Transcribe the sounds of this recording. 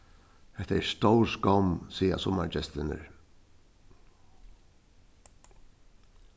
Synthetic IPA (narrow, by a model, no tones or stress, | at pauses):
hɛht̪aɛɾst̪ɔwskɔmsiːa̰sɔmaɾt͡ʃɛst̪ɪnɪ̰ɹ